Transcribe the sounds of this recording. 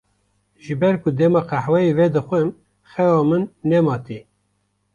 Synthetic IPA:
ʒɨbɛɾkʊd̪ɛmɑːqʰæħwɛivɛd̪ɨxʷɛm | xɛwɑːmɨnːɛmɑːt̪i

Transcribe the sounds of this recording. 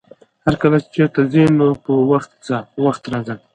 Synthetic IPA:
haɾkalat͡ʃt͡ʃeɾt̪azinopəwaxt̪t͡sawaxt̪ɾɑzəl

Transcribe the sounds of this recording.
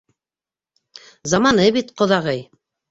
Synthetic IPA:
zɑmɑnɤβit̪qŏðɑʁɤj

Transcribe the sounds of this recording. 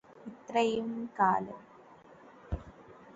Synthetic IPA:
ɪt̪ɾɐjɯmkaːlɐ̰

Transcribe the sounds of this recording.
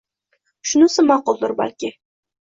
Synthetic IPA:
ʃʊnɪsɪmɑqʊlˠd̪ʊɾba̰lkʲɪ

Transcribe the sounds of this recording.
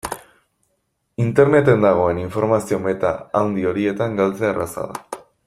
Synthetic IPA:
int̪e̞ɾne̞t̪e̞nd̪aɣ̞o̞e̞niɱfo̞ɾmasio̞me̞t̪a̰ːwnd̪io̞ɾie̞t̪aŋɡalt͡searʔa̰sa̰ða̰

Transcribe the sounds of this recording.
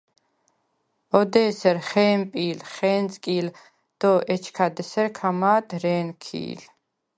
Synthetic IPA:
ɔd̪ɛːsɛɾχɛːmpʼiːlχɛːnt͡sʼkʼiːl | d̪̥ɔʔɛt͡ʃʰkʰad̪ɛsɛɾkʰamaːd̪ɾɛːnkʰḭːl

